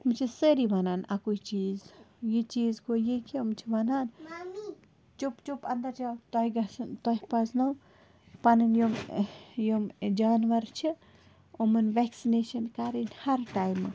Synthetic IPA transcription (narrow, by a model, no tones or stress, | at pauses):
umt͡ʃʰisəɾiʋɐnaːnɐ̰kujt͡ʃiːzjit͡ʃiːzkojikʰimt͡ʃʰiʋɐnaːn | t͡ʃupt͡ʃupɐnd̪ɐɾt͡ʃʰat̪oiɡɐsnt̪oɦipɐsnɐw | pɐnɨnjomjomd͡ʒaːnʋɐɾt͡ʃʰi | omɐnʋeksineːʃɐnkaɾinhɐɾʈaːjmːɨ̰